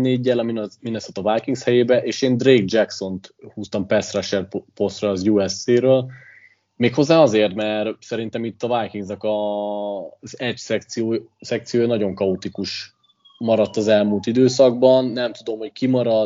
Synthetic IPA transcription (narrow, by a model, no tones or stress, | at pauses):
neːɟːɛlɒminminɛsɛt̪ːɒvajkiŋɡshɛjeːbɛʔeːʃeːnd̪reːɡ̚d͡ʒɛkso̞nt̪huːst̪ɒmpɛsraʃɛrpo̞st̪rɒːzjuɛseːɾøːl | meːkho̞zːaːɒzeːrt̪mɛrsɛɾint̪ɛmit̪ːɒvajkiŋɡznɒkɒ | zɛcsɛk̚t̪sijoːsɛkt̪sijoːjnɒɟo̞ŋkɒut̪ikuʃ | mɒɾɒt̪ːɒzɛlmult̪id̪øːs̬ɒɡ̚bɒnːɛmt̪ud̪o̞mho̞ckimɒɾɒ